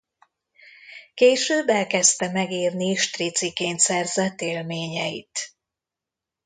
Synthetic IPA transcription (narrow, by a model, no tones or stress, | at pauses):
keːʃøːbɛlkɛst̪ɛmɛɡiːrniʃt̪rit̪sikeːnt̪sɛrzɛt̪eːlmeːɲɛjit̪